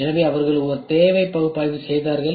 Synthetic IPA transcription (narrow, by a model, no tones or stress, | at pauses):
ɛnɐʋeːɐʋɐɾɣɐɭɯɔɾɯt̪eːʋɐɪpːɐɣɯpːaːjðɯsɛjðaːɾɣɐɭ